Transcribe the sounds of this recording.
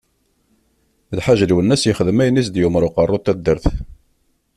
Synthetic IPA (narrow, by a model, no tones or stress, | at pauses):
lħaʒðwənːæsjəχəðəmæjnis̬d̪jʊmɾʊqɑrˤːʊt̪ːæd̪ːəɾθ